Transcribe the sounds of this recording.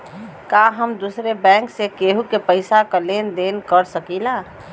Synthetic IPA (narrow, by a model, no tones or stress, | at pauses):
kaɦəmd̪usɾebɛ̃ŋksekeɦukepəɪsakəlend̪enkəɾsəkila